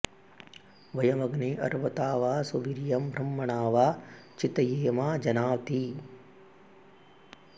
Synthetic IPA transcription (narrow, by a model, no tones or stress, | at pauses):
ʋɐjɐmɐɡneːʔɐ̰ɾʋɐt̪aːʋaːsuʋiɾjɐmbʱɾɐmːɐɳaːʋaːt͡ʃit̪ɐjeːmaːd͡ʒɐnaːʋt̪iː